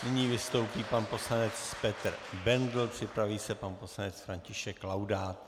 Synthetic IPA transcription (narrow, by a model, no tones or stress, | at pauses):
nɪɲiːvɪst̪o̞wpiːpanpo̞slanɛt͡sspɛt̪r̩bɛnd̪l̩pr̝̥ɪpɾaviːsɛpanpo̞slanɛt͡sfɾaɲcɪʃɛklawdaːt̪